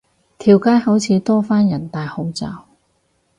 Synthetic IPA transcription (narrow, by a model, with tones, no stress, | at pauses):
t̪ʰiː˨˩wkaː˥jhɐ˨˥wt͡sʰiː˨˧t̪ɔː˥faː˥njɐ˨˩nt̪aː˨jho˨˥wt͡saː˨˧w